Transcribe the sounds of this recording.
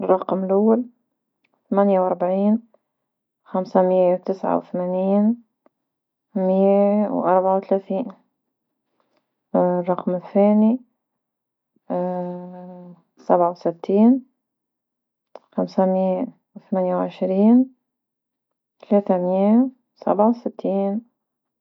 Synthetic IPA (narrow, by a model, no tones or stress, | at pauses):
rˤːɑqmɪlʔawːal | θamanjawʔɑɾˤbaʕiːn | xamsamɪjːawt̪ɪsʕa̰wθamaːniːn | mɪjawʔɑɾˤbaʕawt̪alaːθiːn | rˤːɑqmɪθːeːni | sabʕawsɪt̪ʰːiːn | xamsamɪjːa | wθamanjawʕɪʃɾiːn | t̪alaːt̪amɪjːa | sa̰bʕawsɪt̪ʰːiːn